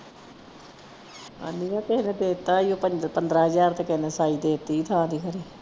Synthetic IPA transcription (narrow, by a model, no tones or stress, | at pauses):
a̰ːniːjãːkeːnẽːd̪eːt̪ːaːiõːpəpənd̪ɾaːɦəzaːɾt̪ekeneːsaːiːd̪eːt̪ːiːt̪ʰãːd̪iːkʰəɾeː